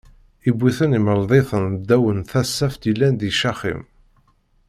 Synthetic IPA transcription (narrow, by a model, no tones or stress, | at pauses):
ibʷːiθəniməɾˤðˤeθənd̪ːæwənθæsːæft̪ilːænd̪iʃɑχḭm